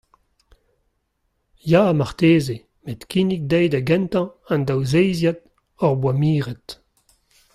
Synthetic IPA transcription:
jaamaʁt̪eːze | met̪kinik̚d̪ɛjdaɡɛ̃nt̪ɑ̃ɑ̃nd̪awzejzjad̪ | ɔʁbwamiːʁɛt̪

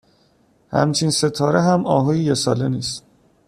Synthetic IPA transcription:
hæ̰mt͡ʃʰinse̞t̪ʰɒːɾeɦæmɒːɦoːjijesɒːleniːst̪

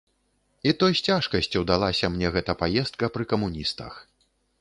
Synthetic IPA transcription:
it̪ɔjsʲt͡sʲaʂkɐsʲt͡sʲiwd̪alˠasʲɐmnʲɛɣɛt̪ɐpajɛst̪̚kɐpɾɨkɐmunʲist̪ɐ̰x

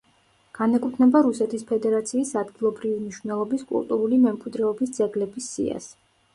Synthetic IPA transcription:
ɡ̥anɛkʼut̪ʰnɛbaɾusɛt̪ʰispʰɛd̪ɛɾat̪sʰiːsad̪ɡilˠɔbɾivimniʃvnɛlˠɔbiskʼṵlˠt̪ʼuɾulimɛmkʼwid̪ɾɛɔbisd̪zɛɡlɛbisːḭa̰s

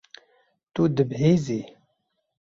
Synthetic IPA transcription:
t̪ud̪ɨbɦeːzi

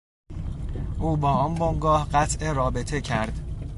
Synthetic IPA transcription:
ʔuːbɒːɒːnboŋɡɒːhɢæt̪ʰʔeɾɒːbe̞t̪ʰe̞cʰæɾd̪̥

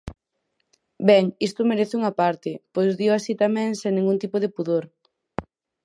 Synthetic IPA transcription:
bɛŋist̪ʊmeɾeθɪuŋapaɾt̪ɪpojzðiwasit̪amɛ̃ŋsẽŋnĩŋɡunt̪ipoðepuðoɾ

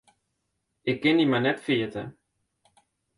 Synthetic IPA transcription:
ɪkːɪnimanɛtfiətə̰

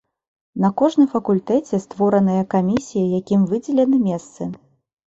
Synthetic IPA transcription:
nɐkɔʐnɨmfɐkulʲt̪ɛt͡sʲɛst̪vɔɾɐnɐjɐkamʲisʲijɐjakʲimvɨd͡zʲɛlʲɛnɨmʲɛst̪sɨ

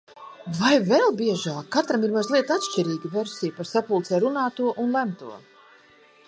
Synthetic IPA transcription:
vajvɛlˠbiɛʒaːkːat̪ɾamiɾmazlˠiɛt̪at̪ʃt͡ʃiɾiːɡʲiveɾsʲijpaɾsapulˠt̪sɛɾunaːt̪uɔʔunlˠæmt̪uɔ

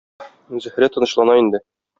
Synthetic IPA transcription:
zɘ̆hɾæt̪ɤ̆nɤ̆ɕlˠɑnɑind̪ɘ

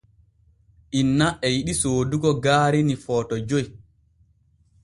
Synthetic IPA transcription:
ʔinːaʔɛjiɗisoːduɡɔɡaːɾinifɔːtɔd͡ʒoj

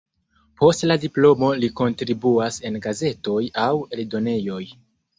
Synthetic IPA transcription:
po̞stladiplo̞mo̞liko̞ntɾibuase̞nɡaze̞to̞jaweldo̞ne̞jo̞j

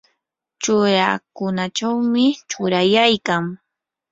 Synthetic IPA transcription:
t͡ʃʊɾakʊnat͡ʃawmɪt͡ʃʊɾajajkaŋ

